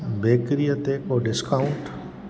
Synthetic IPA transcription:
beːkɾijət̪ekoːɖɪskaʊ̃ɳʈ

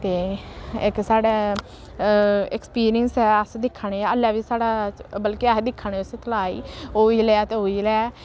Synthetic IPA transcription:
t̪eːɪksaːɽeː | ɛkspiːɾɪjənsɦɛːəsd̪ɪkʰːaɳeːəlːɛːʋiːsaːɽaːbəlkiəsd̪ɪkʰːaɳ̃eːʊset̪əlaːḭːɦoːiːlɛat̪eːɦoːiːlɛ

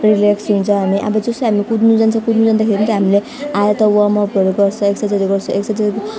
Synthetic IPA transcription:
rilaksint͡sʰʌ̃ɦamiʔa̰bʌd͡zʌsʌɦamikud̪nud͡zant͡sʰʌ̃kud̪nud͡zand̪akʰeɾint̪ʌɦamile | aeɾt̪ʌwamʌpʌɾoɡʌrt͡sʰʌ̃eksʌd͡zʌd̪eɡʌrt͡sʰʌ̃eksʌd͡ze

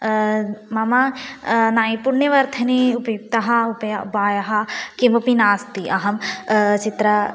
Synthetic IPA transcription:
mɐmanaːĩpuɾnjɐʋɐɾt̪ʰɐniupɐjuk̚t̪ɐɦɐupɐjupaːjɐɦɐkimɐpinaːst̪iʔɐɦɐmt͡ʃit̪ɾɐ

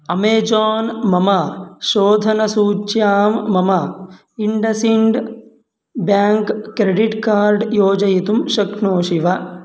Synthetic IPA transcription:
ɐmeːd͡ʒaːnmɐmɐʃoːd̪ʱɐnɐsuːt͡ʃjaːmːɐmɐ | iɳɖɐsiɳɖ | bjaːŋkːɾeɖiʈkaːɾɖjoːd͡ʒɐjit̪umʃɐknoːʃiʋɐ

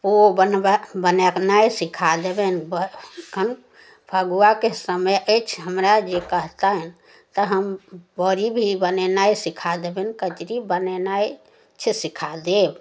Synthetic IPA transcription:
pobənbəneknaisikʰad̪ebenbəkʰən | pʰəɡuakesəməjʔət͡ʃʰɦəmɾad͡ʒekəɦt̪aɦɛn | t̪əɦəmbəɾibʱibənenaisikʰad̪ebenkət͡ʃɾibənenai | t͡ʃʰɛsikʰad̪eb

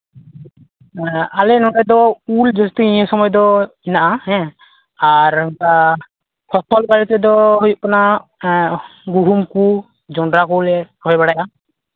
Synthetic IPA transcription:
alɛnɔɖɛjd̪ɔuld͡ʒɔst̪iĩɛ̃sɔmɔjd̪ɔinaʔahɛ̃ | aɾɛŋka | kʰɔsʰɔlbaɾɛt̪ɛd̪ɔɦujuʔkɔna | ɡuɦumku | d͡ʒɔɳɖɾakɔlɛɾʰɔjbaɽajʔa

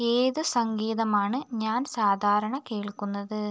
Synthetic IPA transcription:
eːðɨsɐŋɡiːðɐmaːɳɨɲaːnsaːd̪ʱaːɾɐɳɐkeːɭkːunːɐðɨ

